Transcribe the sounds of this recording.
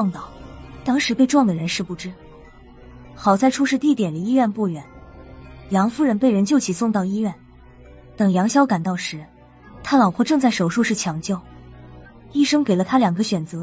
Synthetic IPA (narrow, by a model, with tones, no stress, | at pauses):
ɑ˥˧ŋt̪ɑ˨˩ʊt̪ɑ˥ŋʂɻ̩˧˥pe˥˧ɪʈ͡ʂwɑ˥˩ŋd̪ə˩ɻə˧˥nʂɻ̩˥˧pu˥˩ʈ͡ʂɻ̩˥ | xɑ˨˩ʊt͡sa˥˧ɪʈ͡ʂʰu˥ʂɻ̩˥˧t̪i˥˩t̪jɛ˨˩nə˧˥i˥ɥɛ˥˧npwɔ˥˩ɥɛ˧˩˦n | jɑ˧˥ŋfu˥ɻə˧˥npe˥˩ɪɻə˧˥nt͡ɕjo˥˩ʊt͡ɕʰi˨˩sʊ˥˧ŋt̪ɑ˥˩ʊi˥ɥɛ˥˩n | t̪ɤ˨˩ŋjɑ˧˥ŋɕjɑ˥ʊka˨˩nt̪ɑ˥˩ʊʂɻ̩˧˥ | t̪ʰa˥lɑ˨˩ʊpʰwɔ˥˧ʈ͡ʂɤ˥˧ŋt͡sa˥˩ɪʂo˨˩ʊʂu˥˧ʂɻ̩˥˩t͡ɕʰjɑ˧˥ŋt͡ɕjo˥˩ʊ | i˥˧ʂɤ˥ŋke˨˩ɪlə˦t̪ʰa˥ljɑ˨˩ŋɡə˦ɕɥɛ˨˩nt͡sɤ˧˥